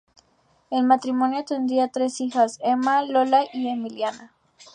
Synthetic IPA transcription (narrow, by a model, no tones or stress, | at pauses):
e̞lmat̪ɾimo̞njot̪e̞nd̪iat̪ɾe̞sixase̞malo̞laʔiemiljana